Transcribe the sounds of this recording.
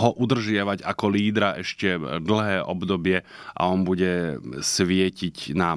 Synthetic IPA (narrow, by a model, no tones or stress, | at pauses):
ɦɔʔud̪r̩ʒɪaʋaɟakɔliːd̪ɾaʔɛʃcɛd̪l̩ɦɛːʔɔbd̪ɔbɪɛ | ʔa̰ɔnbuɟɛsʋɪɛcicna